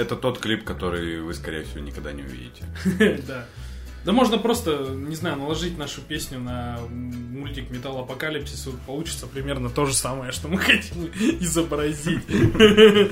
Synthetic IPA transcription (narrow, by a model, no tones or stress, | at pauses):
ɛt̪ət̪o̞t̪klʲipkɐt̪o̞ɾɨjvɨskɐɾʲḛjəfsʲɪvʲonʲɪkɐɡd̪a̰nʲɪʊ̰vʲḭdʲɪ̰tʲɪ̰d̪a | d̪əmo̞ʐnəpɾo̞st̪ənʲɪznajʊnəlˠɐʐɨtʲnaʂʊpʲesʲnʲʊnɐ | mʊlʲtʲɪkmʲɪt̪alˠɐpɐkalʲɪpsʲɪspɐlˠut͡ɕɪ̥t̪səpɾʲɪmʲe̞rnət̪o̞ʐɨsaməjəʂt̪o̞mɨxɐtʲimɪzəbɾɐzʲitʲ